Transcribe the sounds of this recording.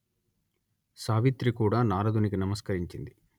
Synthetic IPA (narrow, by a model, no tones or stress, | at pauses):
saːʋit̪ɾikuːɽaːnaːɾɐd̪unikinɐmɐskɐɾiɲt͡ʃind̪i